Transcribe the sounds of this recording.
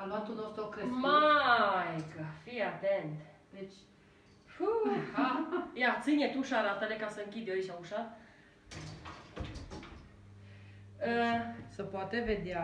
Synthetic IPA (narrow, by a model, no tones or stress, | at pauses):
aluat̪unost̪ɾokɾemajɡəfiat̪ent̪d̪et͡ʃʲ | fuajat̪sɨnʲet̪uʃaɾat̪ənekasəɨŋkʲid̪ʲjoiʃauʃa | əsəpoat̪eved̪ea